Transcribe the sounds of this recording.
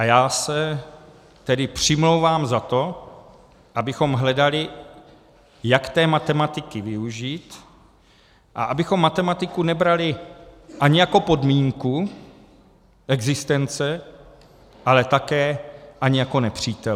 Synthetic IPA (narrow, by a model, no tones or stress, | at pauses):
ʔajaːsɛ | t̪ɛdɪpr̝̥ɪmlowvaːmzat̪o̞ | ʔabɪxo̞mɦlɛdalɪ | jakt̪ɛːmat̪ɛmat̪ɪkɪvɪuʒiːt̪ | ʔa̰ʔabɪxo̞mːat̪ɛmat̪ɪkunɛbɾalɪʔaɲɪjako̞po̞dmiːŋku | ʔɛɡzɪst̪ɛnt͡sɛ | ʔalɛt̪akɛːʔaɲɪjako̞nɛpr̝̥iːt̪ɛ